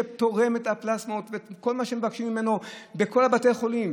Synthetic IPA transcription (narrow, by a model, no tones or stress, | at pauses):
et̪o̞ʁe̞met̪aplasmot̪veko̞lmaʃemevakʃimːime̞nobeko̞labatejχo̞lim